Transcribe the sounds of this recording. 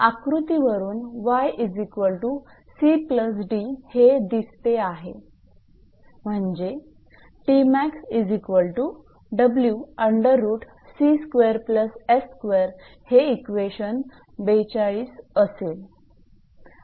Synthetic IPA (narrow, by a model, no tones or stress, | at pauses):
akɾut̪iʋəɾuːnʋajʔid͡zikʋəlʈu | sipləs̬ɖihed̪ist̪eaɦe | m̤əɳd͡ʑe | ʈimæksid͡zikʋəlʈu | ɖəbljuəɳɖəɾːuːʈ | siskʋeɾpləseskʋeɾ | heikʋeɕən | bet͡ɕaɭiːsəsel